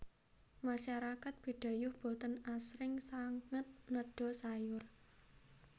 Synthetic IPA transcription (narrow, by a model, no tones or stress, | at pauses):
maʃaɾakat̪̚b̥i̤ɖ̥a̤jʊhb̥o̤t̪ənasɾɪŋsaŋət̪̚nəɖ̥ɔ̤sajʊr